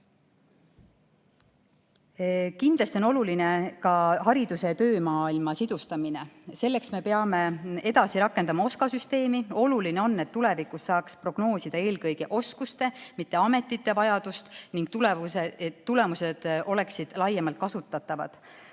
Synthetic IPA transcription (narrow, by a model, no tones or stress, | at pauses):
kind̪lɑst̪io̞no̞luline̞kɑhɑɾid̪̥use̞t̪ø̞ːmɑːilmɑsid̪̥ust̪ɑmine̞se̞lːe̞ksme̞pe̞ɑme̞e̞d̪ɑsiɾɑkːˑend̪ɑmɑo̞skɑsyst̪e̞ːmio̞luline̞o̞nːe̞t̪ːule̞vikˑusːɑːkspro̞ɡ̥no̞ːsid̪ɑe̞ːlkɤjɡ̥e̞ʔo̞skust̪e̞mit̪ˑːe̞ɑme̞t̪ːˑit̪ˑːe̞vɑjɑd̪̥ust̪niŋɡ̥̚t̪ulet̪ːule̞muse̞d̪̥o̞le̞ksid̪̥lɑjemɑlt̪̚kɑsut̪ːˑɑt̪ːˑɑvɑ̰d̪̥